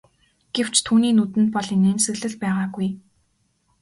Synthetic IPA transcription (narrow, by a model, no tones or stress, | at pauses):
ɡ̥ew̥t͡ɕt̪ʰuːniːnut̪ɘ̆nt̪̚pɔɮineːnsɘ̆ɣɮɘ̆ɮpæːʁaːɡuj